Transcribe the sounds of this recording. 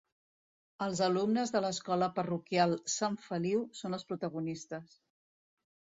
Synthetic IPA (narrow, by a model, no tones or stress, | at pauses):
əlˠzəlumnəzðələskɔləpərukialˠsaɱfəliwsonəlˠspɾut̪əɣunist̪əs